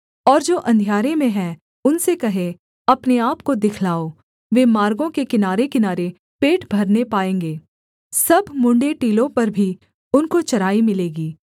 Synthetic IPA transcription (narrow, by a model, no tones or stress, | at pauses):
ɔːɾd͡ʒoːʔɐ̃nd̪ʱijaːɾemẽɦɛ̃ | ʊnsekɐɦe | ɐpneaːpkod̪ɪkʰlaːo | ʋemaːɾɡõkekɪnaːɾekɪnaːɾe | peːʈbʱɐɾnepaːẽːŋɡeː | sɐbʱmʊ̃ɳɖeʈiːlõpɐɾbʱi | ʊnkot͡ʃɐɾaːimɪleːɡiː